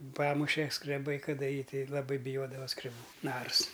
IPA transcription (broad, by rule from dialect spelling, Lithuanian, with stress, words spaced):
ˈpɑːmʊʃʲɛ skrʲɛˈbɐɪ kɐˈdɐ ˈjiː ˈtʲɛɪ lˠɐˈbɐɪ bʲɪˈjoːdɐʋɐ skrʲɛˈbuː ˈnɐrs